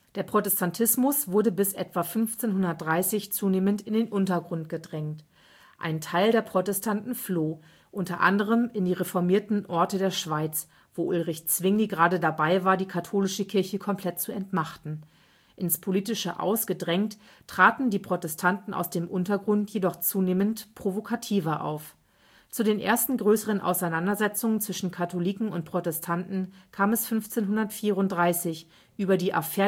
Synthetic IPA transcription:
d̥eːɐpʁ̥otɛstʰantʰɪsmʊsv̥ʊɐdəbɪsʔɛ̰tv̥afʏnft͡seːnhʊndɐt̚d̥ʁaɪsɪçt͡suːneːməntɪndeːnʔʊntɐɡʁʊnt̚ɡ̥ədʁɛŋt | ʔa̰ɪntʰaɪldeːɐpʁ̥otɛstʰantn̩floː | ʔʊntɐʔa̰ndəʁ̞əmɪndiːʁefɔɐmiːɐtn̩ʔɔɐtədeːɐʃv̥aɪt͡s | v̥oːʔʊlʁɪçt͡sv̥ɪŋliɡʁaːdədabaɪvaːɐdiːkʰatʰoːlɪʃəkʰɪɐçəkʰɔmpʰl̥ɛtt͡suɛntnaχtn̩ | ʔɪnspʰoliːtɪʃə̰ʔa̰ʊsɡ̥ədʁɛŋt | tʁ̥aːtn̩diːpʁ̥otɛstʰantn̩a̰ʊsd̥eːmʔʊntɐɡʁʊntjedɔχt͡suːneːməntpʁ̥ovokʰatʰiːvɐʔa̰ʊf | t͡sudeːnʔḛːɐstn̩ɡʁøːsəʁ̞ənʔa̰ʊsaɪnandɐzɛt͡sʊŋənt͡sv̥ɪʃn̩kʰatʰoliːkŋ̩ʊntpʁ̥otɛstʰantn̩kʰaːmɛsfʏnft͡seːnɦʊndɐtfiːʁʊntd̥ʁaɪsɪç | ʔyːbɐdiːʔa̰fɛɐ

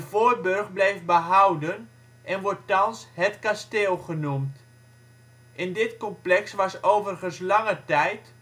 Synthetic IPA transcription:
dəvoːr̚børχblɛjfbəɦawdən | ʔɛnʋɔɹtːɑnshətkasteːlˠχənumt | ʔɪndɪtkɔmplɛksʋɑsowvərχənslɑŋətɛjt

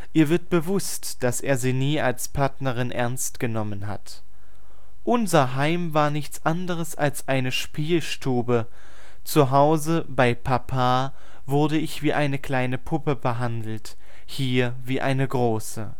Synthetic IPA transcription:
ʔiːɐvɪɐt̚b̥əvʊstd̥asʔeːɐziːniːalspʰaɐtnɐʁɪnʔɛ̰ɐnstɡ̥ənɔmənɦa̰t | ʔʊnzɐɦaɪmvaːɐnɪçt͡sʔandəʁ̞əsʔalsʔaɪnəʃpiːlʃtʰuːbə | t͡suɦaʊzəbaɪpʰapʰaː | vʊɐdəɪçv̥iːʔaɪnəkʰl̥aɪnəpʰʊpəbəɦandl̩t | hiːɐviːʔa̰ɪnəɡʁoːsə̰

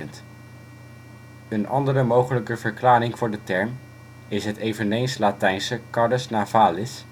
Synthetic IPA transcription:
ənt | ənʔɑ̰ndərəmowχələkəvəɹklaːrɪŋv̥ʊːɹdətɛɹm | ɪsɦətejvənejnslaːtɛjnsəkɑɹdəsnaːvaːlɪs

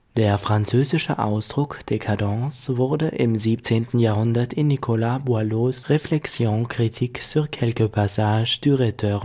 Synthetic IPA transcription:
d̥eːɐfʁ̥ant͡søːzɪʃə̰ʔa̰ʊsd̥ʁʊkd̥ekʰadɑ̃ːsvʊɐdəʔɪmziːpt͡seːntn̩jaːɐhʊndɐtɪnːikʰolabualosʁeflɛksjõːkʁ̥itʰiːkfyːɐkʰɛlkəpʰasaːʒd̥yːʁɛtʰø

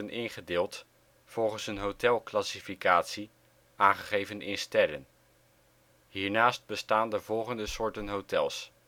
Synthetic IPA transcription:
ənʔɪnχədɪːlˠt | fɔlˠχənsənɦowtɛlˠklasifikaːtsi | ʔaːnχəχejvənʔɪnstɛɾən | ɦiːɹnaːst̚bəstaːndəvɔlˠχəndəsʊːɹtənɦowtɛlˠs

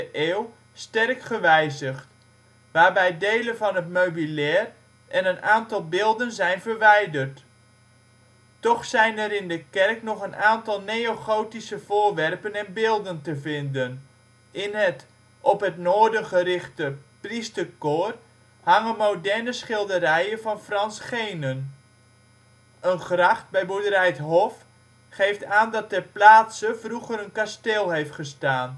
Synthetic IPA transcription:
əʔeːw | stɛrkχəʋɛjzəχt | ʋaːrbɛjdeːlənvɑnɦətmøɥbilɛːr | ʔɛnənaːntɑlˠbɪːlˠdənzɛjnvərʋɛjdərt | tɔχsɛjnɛɾɪndəkɛrknɔχənʔaːntɑlˠnejoxoːtisəv̥ʊːrʋɛrpənɛnbɪːlˠdəntəvɪndən | ʔɪnɦət | ɔpɦətnoːɹdənχərɪχtəpristərkor | haŋəmowdɛrnəsχɪlˠdəɾɛjənvɑnfrɑnsχejnən | ənχrɑχt̚bɛjbudəɾɛjtɦɔf | χejftaːndɑt̚dəplaːtsəvruɣəɾənkasteːlˠɦejftχəstaːn

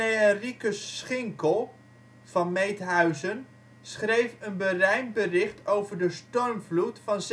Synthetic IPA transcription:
eərikəsːχɪŋkəlˠ | v̥ɑnmejtɦœɥzən | sχrejfənbərɛjnbərɪχtowvəɹdəstɔɹmvlutfɑnz

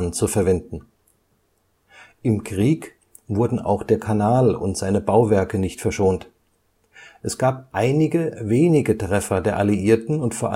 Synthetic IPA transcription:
nt͡sufɛɐvɛndn̩ | ʔɪmkʁ̥iːk | vʊɐdn̩ʔa̰ʊxd̥eːɐkʰanaːlʊ̰ntz̥aɪnəbaʊvɛɐkənɪçtfɛɐʃoːnt | ʔɛsɡ̥aːp̚ʔaɪnɪɡəveːnɪɡətʁ̥ɛfɐdeːɐʔaliʔiːɐtn̩ʊntfoːɐʔa

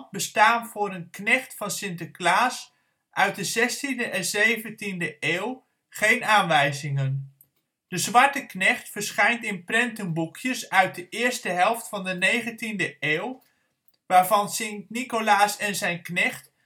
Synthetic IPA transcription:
bəstaːnvʊːɹənknɛχtfɑnsɪntəklaːs | ʔœɥt̚dəzɛstindəʔɛnzejvəntindəʔeːwˠ | χejnaːnʋɛjzɪŋən | d̥əzʋɑɹtəknɛχtfəɹsχɛjntɪnprɛntənbukʰjəsœɥt̚dəʔɪːɹstəɦɛlˠftfɑndənejχəntindəʔeːw | ʋaːɹvɑnsɪntnikolaːsɛnzɛjnknɛχt

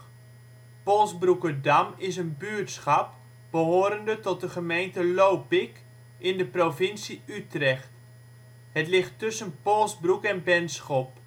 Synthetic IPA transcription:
polˠsbrukədamɪsənbyːtsχɑp̚ | b̥əɦoːɾəndətɔt̚dəχəmejntəlowpɪk | ʔɪndəprovɪnsiytrɛχt | hətlɪχtɵsənpolˠsbrukɛnbɛnsχɔp̚

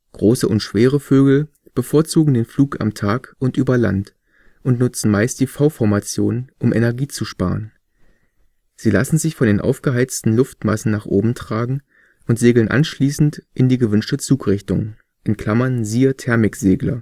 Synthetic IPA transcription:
ɡ̥ʁoːsəʔʊntʃv̥eːʁ̞əføːɡl̩ | b̥əfoːɐt͡suːɡŋ̩deːnfluːka̰mtʰaːkʊntʔyːbɐla̰nt | ʔʊntnʊt͡sn̩maɪst̚d̥iːfaʊfɔɐmat͡sjoːnʔʊmʔɛ̰nɛɐɡiːt͡suʃpa̰ːʁən | z̥iːla̰sn̩zɪçfɔndeːnʔa̰ʊfɡ̥əɦaɪt͡stn̩lʊftma̰sn̩naːχʔoːbm̩tʁ̥aːɡŋ̩ | ʔʊntz̥eːɡl̩nʔa̰nʃliːsn̩tʔɪndiːɡəvʏnʃtət͡suːkʁɪçtʊŋ | ʔɪnkl̥amɐnziːɐtʰɛɐmɪkz̥eːɡlɐ̰

